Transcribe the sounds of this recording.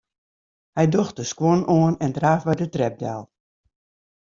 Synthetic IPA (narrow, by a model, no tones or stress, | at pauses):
hɛjdoxt̚dəskwɔnoənɛndraːfbɛjdətrɛp̚da̰ːlˠ